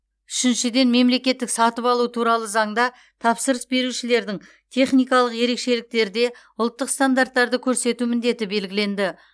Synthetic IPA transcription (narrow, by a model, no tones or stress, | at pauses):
ʏʃɪnʃɪd̪e̞nme̞mle̞kʲe̞t̪ːɪksɑt̪əpɑlˠut̪ʰuɾɑlˠəzɑɴd̪ɑ | t̪ʰɑpsəɾəsbe̞ɾuʃɪle̞ɾd̪ɪŋ | t̪ʰe̞χnijkɑlˠəqje̞ɾe̞kʃe̞lɪk̚t̪e̞ɾd̪e̞ | ʊlˠt̪ːəqst̪and̪art̪ːɑɾd̪əkʲʰɵɾse̞t̪umɪnd̪e̞t̪ɪbe̞lɡʲɪle̞nd̪ɪ